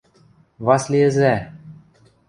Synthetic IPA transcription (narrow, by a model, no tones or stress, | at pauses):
βɑslʲijɘ̆zæ